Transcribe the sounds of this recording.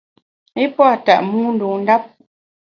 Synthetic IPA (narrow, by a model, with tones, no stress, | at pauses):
e˦pɔ˦a˨ta̰˨ʔmu˦n̩˨du˨n̩˦da˦p̚